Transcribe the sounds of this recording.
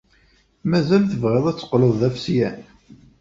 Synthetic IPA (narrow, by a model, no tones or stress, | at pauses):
mæzælθəvʁeðˤæt͡sːə̥qloðˤæfsjæn